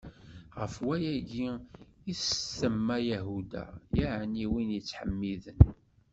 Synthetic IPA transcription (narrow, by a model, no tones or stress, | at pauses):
ʁəfwæjæɡiisθəmːæjæɦud̪æ̰jaʕniwinjət͡sːħəmːiðən